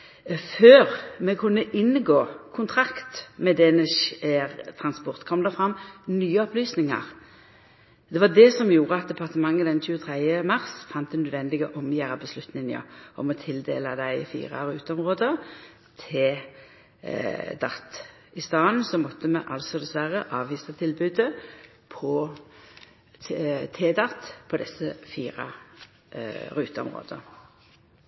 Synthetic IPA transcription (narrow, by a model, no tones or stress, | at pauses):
føːʁmɛkʰʉnːəʔɪnːɡoːkʰʊnt̪ʰɾɑkt̪mɛd̪ɛnəʃeːʁt̪ʰɾɑnspɔʁt̪kʰɔmd̪ɛfɾɑmːnyːəɔplyːsnɪŋɑ̰ʁ | d̪ɛʋɑd̪ɛsɔmjuːɾəɑt̪̚d̪ɛpʰɑʁt̪əmɑŋːəd̪ɛnçʉːət̪ʰɾæɪəmɑʁsfɑnt̪̚d̪ɛnœd̪ʋɛnd̪ɪɡɔʔɔmjæːɾɑbəslʉt̪nɪŋnə̰ʔɔ̰mɔt̪ʰɪld̪ḛːlɑd̪æɪfḭːʁɑ̰ʁʉːt̪əɔmʁoːd̪ə | t̪ʰeː | d̪ɑt̪ː | ɪst̪ɑːnsɔmɔt̪ːəmɛʔɑlsɔd̪ɛsʋæʁəʔɑːʋʋiːsɑt̪ʰɪlbʉːd̪ə | pʰɔ | t̪ʰeːd̪ɑt̪ːpʰɔd̪ɛsːəfiːʁɑ̰ | ʁʉːt̪əɔ̰mʁo̰ːd̪̥ə